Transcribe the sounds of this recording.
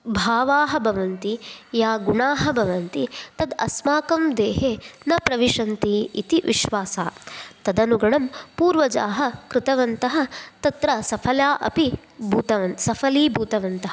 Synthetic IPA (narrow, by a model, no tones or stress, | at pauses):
bʱaːʋaːɦɐbʱɐʋɐnt̪ijaːɡuɳaːɦɐbʱɐʋɐnt̪it̪ɐd̪ɐ̰smaːkɐmd̪eːɦeːnɐpɾɐʋiʂɐnt̪iḭt̪iʋiʃʋaːsaːt̪ɐd̪ɐnuɡɐɳɐmpuːɾʋɐd͡ʒaːɦɐ̆kɾɪt̪ɐʋɐnt̪ɐɦɐ̆t̪ɐt̪ɾɐsɐpʰɐljaːʔɐ̰pi | bʱuːt̪ɐʋɐnt̪sɐfʰɐliːbʱuːt̪ɐʋɐnt̪ɐɦɐ